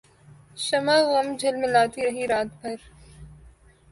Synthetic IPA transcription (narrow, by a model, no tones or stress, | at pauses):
ʃɐmaːɣɐmd͡ʒʱɐlmɪ̃laːt̪iɾɐɦiɾaːt̪̚bʱɐɾ